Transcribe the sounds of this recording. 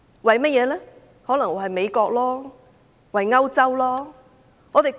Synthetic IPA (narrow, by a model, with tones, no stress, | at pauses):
wɐ˨jmɐ˥t̚jɛː˨˧lɛː˥ | hɔː˨˥lŋwɔː˨˩hɐ˨jme˨˧jkɔː˧k̚lɔː˥ | wɐ˨jŋɐ˥wt͡sɐ˥wlɔː˥ | ŋɔː˨˧t̪e˨j